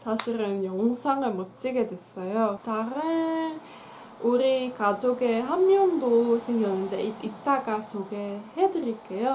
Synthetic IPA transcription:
sʰaɕʰiɾɯnjoŋsʰaŋɯɭmʌt͡ɕ͈iɡe̞dwe̞s͈ʌjotaɾɯ | uɾikad͡ʑoɡeɦamjʌndosʰeŋɡjʌnːɯnde̞iit̚t͈aɡasoɡe̞hedɯɾiɭk͈ejo

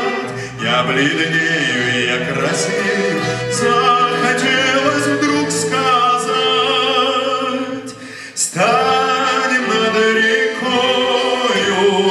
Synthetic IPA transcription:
tʲ | jablʲɪd̪lʲejʊɪjakɾɐsʲi | zaxɐtʲelˠəsʲvd̪ɾukskaza | tʲ | st̪a | dʲɪnɐd̪əɾʲɪko | ju

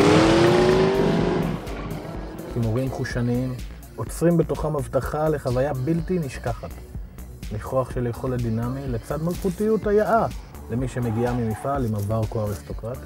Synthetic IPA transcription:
kimuʁimχuʃaniim | ʔo̞t͡sʁimbe̞toχamavtaχale̞χavajabiltiniʃkaχat | miχo̞aχʃeljeχoladinamile̞t͡sadmalχutijuthajaʔa | le̞miʃe̞me̞ɡiamimifalimavaʁkoaʁist̪o̞kʁat

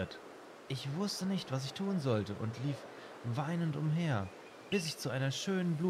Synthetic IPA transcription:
t | ʔɪçv̥ʊstənɪçtv̥as̬ɪçtʰuːnzɔltəʔʊ̰ntliːf | vaɪnəntʊmɦeːɐ | b̥ɪs̬ɪçt͡suʔaɪnɐʃøːnənbluː

